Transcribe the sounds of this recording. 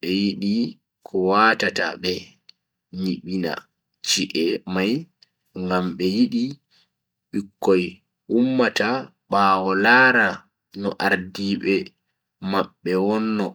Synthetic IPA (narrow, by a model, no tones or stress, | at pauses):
ɓɛjiɗi | kʰɔwatata̰ɓɛ | ɲiɓina̰ | t͡ʃiʔɛmaj | ŋɡamɓɛjiɗi | ɓikːɔj | umːata | ɓaːwɔlaːɾa | nɔʔaɾdiːɓɛ | maɓːɛwɔnːɔ